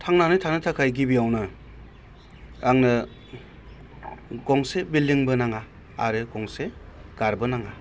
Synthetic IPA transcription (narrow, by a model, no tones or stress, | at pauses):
tʰaŋnanɯjtʰanɯtʰakʰajɡibiawnɯ | aŋnɯ | ɡɔŋsebildiŋbɯnaŋa | a̰ɾɯɡɔŋseɡ̥aɾbɯnaŋa